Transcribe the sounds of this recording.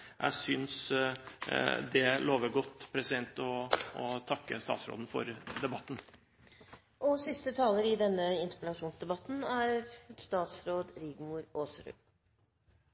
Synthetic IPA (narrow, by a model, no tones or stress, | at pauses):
jʔæ̰ɪsʏns | d̪ɛloːʋəɾɡɔt̪ːpʰɾɛsɪd̪ɛnt̪ɔɔt̪ʰɑkːəst̪ɑ̰ːt̪sɾo̰ːd̪n̩fɔ̰ɾd̪ɛbɑt̪ːn̩ | ʔɔsɪst̪ət̪ʰɑːləɾɪd̪ɛnːəɪnt̪ə̥pɛlɑʂuːnsd̪ɛbɑt̪n̩æɾst̪ɑːt̪sɾoːd̪ɾɪɡmuɾoːsɾʉ̰